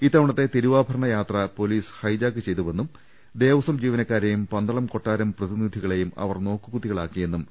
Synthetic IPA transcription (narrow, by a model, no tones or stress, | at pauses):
iːt̪ːɐʋɐɳɐt̪ːe̞t̪iɾuʋaːbʱɐɾɐɳɐjaːt̪rɐpo̞liːshɐjd͡ʑaːk̬ːɨt͡ɕe̞jt̪uʋe̞nːum | d̪e̞ːʋɐsɐmd͡ʑiːʋɐnɐkːaːɾejumpɐnd̪ɐɭɐmko̞ʈːaːɾɐmprɐðinid̪ʱiɣɐɭe̞jumɐ̰ʋɐrno̞ːkːɨkut̪ːiɣɐɭaːkːije̞nːum